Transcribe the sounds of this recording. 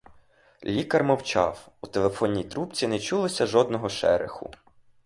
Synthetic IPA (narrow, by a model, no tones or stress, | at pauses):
lʲikɐrmɔwt͡ʃɑ̰w | ut̪elˠefɔnʲːijt̪ɾup̚t͡sʲinɛt͡ʃulˠɪsʲɐʒɔd̪nɔɦɔʃɛ̰ɾḛxʊ̰